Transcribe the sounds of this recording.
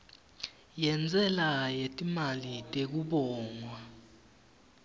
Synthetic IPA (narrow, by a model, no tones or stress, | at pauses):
jɛnd͡zʱɛlajetʼimalitʼek̬uɓɔːŋwa